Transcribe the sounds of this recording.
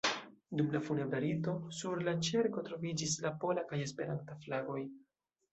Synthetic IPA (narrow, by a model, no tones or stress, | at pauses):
dumlafunebɾaɾito̞suɾlat͡ʃe̞ɾko̞tɾo̞vid͡ʒis̬lapo̞lakaje̞spe̞ɾantaflaɡo̞j